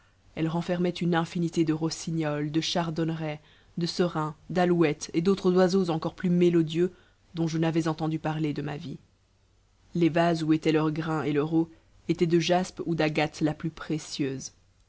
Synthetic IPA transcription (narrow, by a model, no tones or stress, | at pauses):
ɛlʁɑ̃fɛʁmɛt̪ynɛ̃finit̪ed̪əʁɔsiɲɔld̪əʃaʁd̪ɔnʁɛ | d̪əsəʁɛ̃d̪alwɛt̪ed̪ot̪χəzwazozɑ̃kɔʁplymelɔd̪jø | d̪ɔ̃ʒənavɛzɑ̃t̪ɑ̃d̪ypaʁled̪əma̰vi | levazuet̪ɛlœʁɡʁɛ̃ʔelœʁo | et̪ɛd̪əʒaspud̪aɡat̪laplypχesjøːz